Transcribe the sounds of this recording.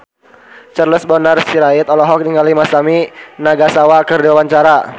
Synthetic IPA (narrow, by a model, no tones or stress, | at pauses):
t͡ʃərləsbɔnərsiɾait̪ɔlɔɦɔk̚niŋɡalimasaminaɡasawakərdiwawaɲt͡ʃaɾa